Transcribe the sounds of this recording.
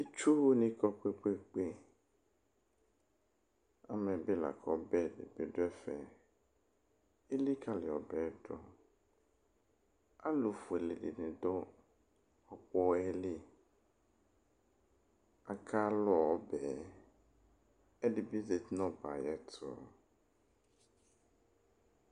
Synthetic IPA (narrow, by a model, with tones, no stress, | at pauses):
i˦t͡ʃu˦wnĩ˦kɔ˦k͡pe˦k͡pe˦k͡pe˦ | a˨mɛ̃˨be˦la̰˨kʰɔ˦bɛ˦˨dɪ̰˨be˨˦dʊ˦ɛ˦fɛ̰˨ | e˦li˦kʰa˦lɪ˨ɔ˨bɛ˨˦dɔ̰˦ | a˦lo˨fu˨e˨le˨dḭ˨nɪ̃˨dɔ˦ | ɔ˨k͡pɔ˦ɛ˦lɪ˦ | a˨kʰa˦lɔ˦˨ɔ˦bɛ˨ | ɛ˦dɪ˨bi˦ze˨tnɔ̃˦ba̰˨jɛ˦tʰʊ˨ɔ̰˨